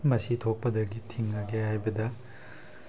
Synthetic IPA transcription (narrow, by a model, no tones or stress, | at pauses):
mɐsitʰok̚pɐdɐɡitʰiŋːɐɡehajbɐdɐ